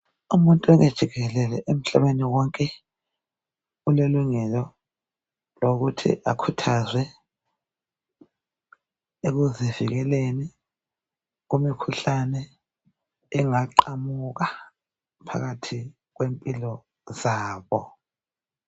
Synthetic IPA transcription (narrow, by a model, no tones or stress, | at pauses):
umuntʼuɛɣed̥ʒ̥ʱiɣɛlɛlɛʔem̩ɬaβeniwɔŋkʼɛ | ɣuleluŋɛlɔ | loɣutʰḭʔa̰kʰutʰazwɛ | eɣuziviɣɛleni | ɣumikʰuɬanɛ | ŋaǃamuɣa | pʰa̰ɣatʰi | ɣwempʼilɔ | zaːβɔ